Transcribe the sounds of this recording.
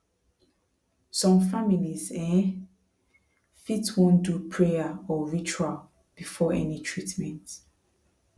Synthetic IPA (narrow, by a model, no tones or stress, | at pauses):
sɔ̃mfamilizɛ̃ | fitwõndupʰɹejaɔɹit͡ʃual | b̥ifɔʔɛnitʰɹitmɛ̃nt